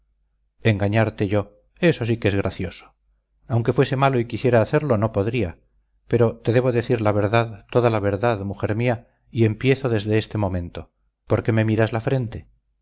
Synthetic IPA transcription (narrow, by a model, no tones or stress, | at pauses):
e̞ŋɡaɲaɾt̪e̞ʝo̞ | e̞so̞sikeezɣ̞ɾaθjo̞so̥ | awŋke̞fwe̞se̞malo̞ikisje̞ɾaːθe̞ɾlo̞no̞po̞ðɾia | pe̞ɾo̞t̪eðe̞β̞o̞ðe̞θiɾlaβ̞e̞ɾðaðt̪o̞ðalaβ̞e̞ɾðaðmuxe̞ɾmia | ie̞mpje̞θo̞ðe̞zðe̞est̪e̞mõ̞mẽ̞nt̪o̞ | po̞ɾke̞me̞miɾazlafɾe̞nt̪e̞